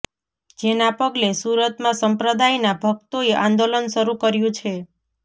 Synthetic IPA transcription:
d͡ʒenapəɡlesuɾət̪mãsəmpɾəd̪ajnabʱəkt̪oeʔã̰nd̪olənʃəɾukəɾjũt͡ʃʰe

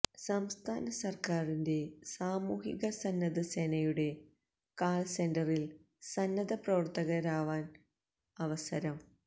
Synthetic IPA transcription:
sɐmst̪ʰaːnɐsɐrkaːrinde̞saːmuːɦiɣɐsɐnːɐðɨsenɐjuɽe̞ | kaːlsendɐril | sɐnːɐðɐprɐʋɐrt̪ɐɣɐɾaːʋaːn | ɐʋɐsɐɾɐm

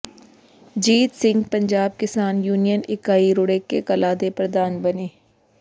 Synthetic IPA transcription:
d͡ʒiːt̪sɪ̃ŋɡpəɲd͡ʒaːb̚kɪsaːnjuːnijənɪkaːiɾʊːɽeːkḛkəlaːd̪epɾəd̪aːnbəneː

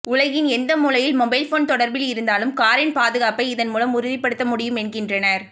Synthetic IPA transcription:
ʊlɐɣɪnɛnd̪ɐmuːlɐjɪlmɔbɐɪlfoːnt̪ɔɽɐɾbɪlɪɾɯnd̪aːlɯmkaːɾɪnpaːðɯɣaːpɐɪɪðɐnmuːlɐmʊɾɪðɪpːɐɽɯt̪ːɐmʊɽɪjɯmɛnɡɪndrɐnɐɾ

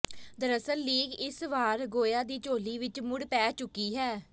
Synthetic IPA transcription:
d̪əɾəsəlːiːɡɪsʋaːɾɡoːjaːd̪iːt͡ʃoːliːʋɪt͡ʃmʊɽpɛːt͡ʃʊkːiːɦɛː

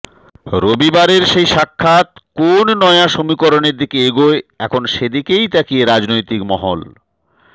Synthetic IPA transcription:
ɾobibaɾeɾʃejʃakʰːat̪konnɔeaʃomikoɾoneɾd̪ikeeɡoeɛkʰonʃed̪ikejt̪akijeɾad͡ʑnojt̪ikmɔɦo̰l

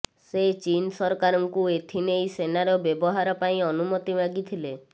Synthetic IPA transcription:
set͡ʃinsɔɾɔkaɾɔŋkuet̪ʰinejsenaɾɔbjɔbɔɦaɾɔpaĩɔnumɔt̪ibʱaɡit̪ʰile

